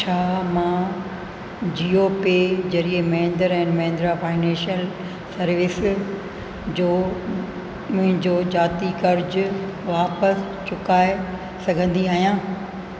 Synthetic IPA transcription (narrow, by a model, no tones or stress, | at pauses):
t͡ɕʰaːmãː | d͡ʑiːoːped͡ʑɐɾiemɐɪ̃nd̪əɾɛ̃ːnmɐ̃ɦɪ̃nd̪ɾafaːɪnɛ̃ːʃijəl | sɐɾʋɪs | d͡ʑoː | mʊ̃ɦɪ̃ɲd͡ʑoːd͡ʑaːt̪ikɐɾd͡ʑʋaːpəs | t͡ɕʊkaːe | sɐɡʱə̃nd̪iaːɦijãː